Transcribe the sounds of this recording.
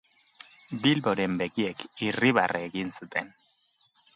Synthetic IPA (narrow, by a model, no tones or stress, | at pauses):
bilβo̞ɾe̞mbe̞ɣiekiriβa̰rʔeɣinsut̪ʰe̞̰n